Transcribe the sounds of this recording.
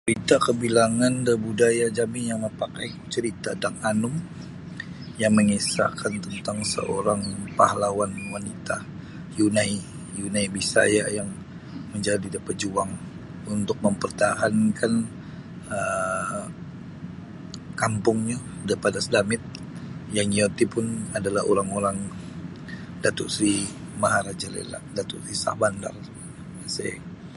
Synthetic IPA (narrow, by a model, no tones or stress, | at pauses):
t͡ʃɾit̪akəbilaŋandəbudajad͡ʒamɪnjaŋməpakaj | t͡ʃəɾit̪adaŋanʊm | jaŋməŋisa̰kʰant̪ənt̪aŋsə̰ʔoɾaŋpahalawanwanit̪a | junãi | junaibisa̰jajaŋ | məɲd͡ʒadidapat̚d͡ʒuaŋ | unt̪ʊk̚məmpərt̪aɦankʰan | ə | kampʊŋɲa | dəipadasədamɪt̪̚ | jaŋiot̪ipʊnadalaɦoɾaŋoɾaŋ | dat̪uʔsɾimaɦaɾad͡ʒalḛla̰ʔdat̪usisa̰hbanda̰r | sḛ